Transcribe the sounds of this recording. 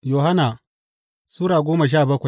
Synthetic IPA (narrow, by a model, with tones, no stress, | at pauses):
joː˨ɦa˦na˨ | suː˦ɽaː˨ɡʷoː˦ma˨ʃ̬aː˦˨bɐ˦kʷa˨j